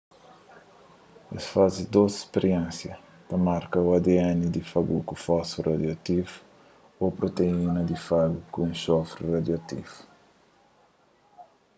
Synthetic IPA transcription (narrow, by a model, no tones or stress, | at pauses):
ḛsfazid̪osi̥speɾiɛ̃nsjɐ | t̪ɐmaɾkɐwad̪eɛnid̪ifaɡukufɔsurʔad̪jat̪if | opɾot̪einɐd̪ifaɡukũũsɔfɾirad̪jɐt̪ifu̥